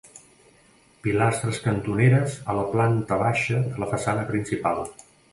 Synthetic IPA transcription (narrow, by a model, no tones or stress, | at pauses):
pilast̪ɾəskənt̪uneɾəzələplant̪əβaʃəðələfəsanəpɾinsipalˠ